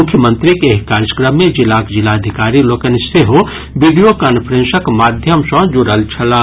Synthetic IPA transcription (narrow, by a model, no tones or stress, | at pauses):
ʊkʰjəmə̃nt̪ɾikeɦkaːɾjəkɾəmːẽd͡ʒilaːkd͡ʒilaɐd̪ʱikaːɾiloːkənseɦo | ʋiɖijokaːnpʰəɾẽnsəkmaːd̪ʱjəmsɐ̃d͡ʒoɽəlt͡ʃʰɐlaː